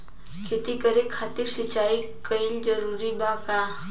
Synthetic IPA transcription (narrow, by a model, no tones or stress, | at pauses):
kʰeːt̪ikəɾekʰaːt̪iɾsɪt͡ʃaːikəind͡ʒəɾuːɾibakaː